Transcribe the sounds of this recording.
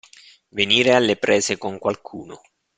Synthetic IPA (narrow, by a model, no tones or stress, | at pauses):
veniːɾealːepɾɛːzekoŋkwalkʰuːno̰